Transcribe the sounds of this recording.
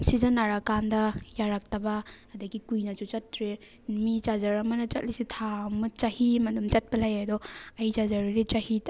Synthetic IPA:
sizɐnːaɾakandɐjaɾak̚tɐbɐːdɐɡikujnɐt͡ʃut͡ʃɐtːɾe | mit͡ʃazɐɾɐmɐnɐt͡ʃɐ̰t̚lisitʰamɐt͡ʃahimɐdumt͡ʃɐt̚pɐlajadɔɐjd͡ʒazaɾiɾit͡ʃahi

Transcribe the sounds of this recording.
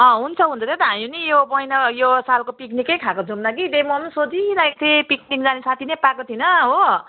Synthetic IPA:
ʌ̃ɦunt͡sʰʌɦũnt͡sʰʌt̪ʰet̪ʌɦamjinijobʌjnʌjosalkopiknikːʌjkʰakod͡zumnakid̪emʌmsod͡ziɾaek̚t̪ʰepik̚nikd͡zanesat̪ʰinepakot̪ʰinʌɦo

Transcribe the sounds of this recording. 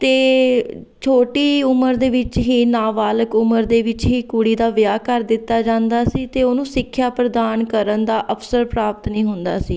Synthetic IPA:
t̪eː | t͡ʃʰoːʈiːʊməɾd̪eːʋɪt͡ʃɦiːnaːʋaːləkʊməɾd̪eːʋɪt͡ʃɦiːkʊɽiːd̪aːʋjaːkəɾd̪ɪt̪ːaːd͡ʒãːnd̪aːsiːt̪eːoːnũːsɪkʰːjaːpɾəd̪aːnkəɾənd̪aːʔəpʰsəɾpɾaːpət̪nĩːɦʊnd̪a̰ːsiː

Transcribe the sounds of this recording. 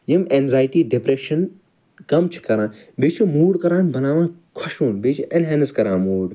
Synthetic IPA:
jimenzaːjʈiːɖipɾeːʃɐn | kɐmt͡ʃʰi̥kɐɾãːn | beːt͡ʃʰimuːɽkɐɾãːnbɐnaːʋãː | kʰʊʃuːnbeːt͡ʃʰiʔenɦeːnskɐɾãːnmuːɽ

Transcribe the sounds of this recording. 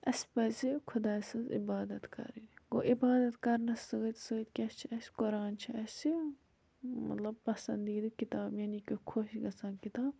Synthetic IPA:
ɐspɐzikʰʊd̪aːsɨzḭbaːd̪ɐt̪kɐ̰ɾiɡoʔibaːd̪ɐt̪kɐɾnɐssɨɡɐt̪ʲsɨɡət̪ʲkʲɐst͡ʃʰiɐskoɾaːnt͡ʃʰiɐsʲi | mɐ̰t̪lɐb̚pɐsɐnd̪iːd̪ɨkit̪aːbjɐnikikʰoːʃiʃɡɐsãːnkit̪aːb

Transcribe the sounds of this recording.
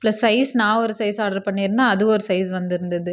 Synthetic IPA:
plɐsːɐɪsnãːɔɾɯsɐɪsaːɖɐɾpɐɳːiːɾɯnd̪ãːɐðɯɔɾɯsɐɪsʋɐnd̪ɪɾɯnd̪ɐðɯ

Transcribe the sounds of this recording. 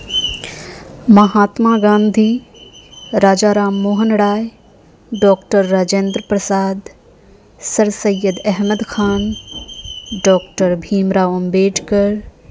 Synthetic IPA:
mɐɦaːt̪maːɡãːnd̪ʱiː | ɾaːd͡ʒaːɾaːmːoːɦənɽaːj | ɖɔːkʈəɾːaːd͡ʒeːnd̪ɾəpɾəsaːd̪ | sɐɾsɐjəd̪ɛɦməd̪kʰaːn | ɖɔːk̚ʈəɾbʱiːmɾaːʊmbeːʈʰkəɾ

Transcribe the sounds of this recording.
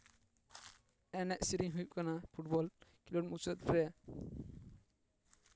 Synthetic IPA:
ɛnɛʔsiɾiŋɦujup̚kanapʰuʈ̚bɔlkilɔʈ̚mut͡ʃɔt̪̚ɾɛ

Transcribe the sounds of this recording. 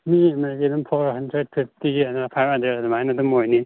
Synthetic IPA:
miemeɾikedumpʰoɾɦandɾed̚pʰip̚ʰtiɡianɾapʰajbhɐndɾedadumajnadumojni

